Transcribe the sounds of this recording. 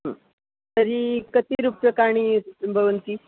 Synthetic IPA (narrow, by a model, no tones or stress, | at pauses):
ɦə | t̪əɾikət̪iɾupjəkaɽ̃ibʱəʋənt̪iː